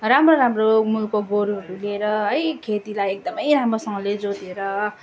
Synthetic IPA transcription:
ramroɾamromulkoɡoɾuɦʌɾulieɾʌɦʌjkʰet̪ilajek̚d̪ʌmʌjɾamrosʌŋɡʌled͡zod̪ieɾʌ

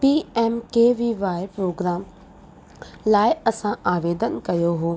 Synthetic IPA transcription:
piːɛːmkeːʋiʋaːɪpɾoːɡɾaːm | laːɪɐsãaːʋeːd̪ənkɐjoɦoː

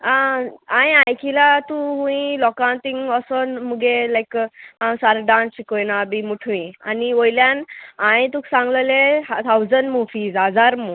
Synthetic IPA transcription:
aãjãjkʰilat̪ũɦũĩlɔkãnt̪ĩŋɡɔsɔnmuɡelajkãsaɾɖãnsɕikojnabimuʈʰʋĩa̰niojljanãj̃t̪uksãŋɡləlet̪ʰawd͡zəɳɖmufiːzad͡zaɾmu

